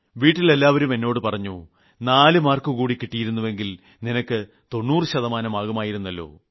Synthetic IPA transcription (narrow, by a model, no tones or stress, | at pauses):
ʋiːʈːile̞lːaːʋɐɾume̞nːo̞ːɽɨpɐrɐɲːu | naːlɨmaːrkukuːɽikːiʈːijiɾunːuʋe̞ŋɡil | ninɐkːɨ | t̪o̞nːuːrɨɕɐðɐmaːnɐmaːɣɐmaːjiɾunːɐlːo̞̰ː